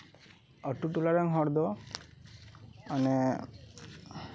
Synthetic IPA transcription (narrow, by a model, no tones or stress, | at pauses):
əʈuʈulaɾəŋɦɔɽd̪ɔ | ənɛ